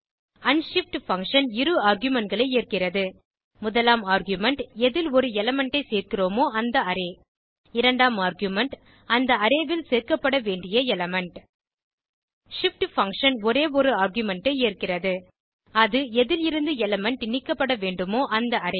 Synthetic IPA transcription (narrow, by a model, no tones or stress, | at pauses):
ɐnʂɪfʈfɐŋkʂɐnɪɾɯaːɾɡjʊmɛɳʈɡɐɭɐɪeːrkɪrɐðɯ | mʊðɐlaːmaːɾɡjʊmɛɳʈɛðɪlɔɾɯɛlɐmɛɳʈɐɪseːrkɪroːmoːɐnd̪ɐɐɾeː | ɪɾɐɳɖaːmaːɾɡjʊmɛɳʈ | ɐnd̪ɐɐɾeːʋɪlseːrkɐpːɐɽɐʋeːɳɖɪjɐɛlɐmɛɳʈ | ʂɪfʈfɐŋkʂɐnɔɾeːɔɾɯaːɾɡjʊmɛɳʈɐeːrkɪrɐðɯ | ɐðɯɛðɪlɪɾɯnd̪ɯɛlɛmɛɳʈɪnɪkːɐpːɐɽɐʋeːɳɖɯmoːʔɐnd̪ɐɐɾeː